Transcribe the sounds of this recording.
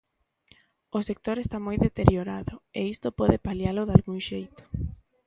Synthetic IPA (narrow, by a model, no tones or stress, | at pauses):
osek̚t̪oɾest̪amojðet̪eɾjoɾaðʊeist̪ʊpɔðepaljalʊðalɣuŋʃejt̪ʊ̥